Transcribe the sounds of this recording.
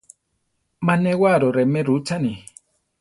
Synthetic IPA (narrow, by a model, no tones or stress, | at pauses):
manɛwaɾoɾɛmɛɾut͡ʃani